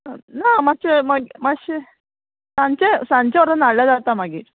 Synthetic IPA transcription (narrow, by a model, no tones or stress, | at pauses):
namat͡ɕemaɡmaɕe | saɲt͡ɕesaɲt͡ɕaɔɾənaɽlad͡zat̪amaɡḭːɾ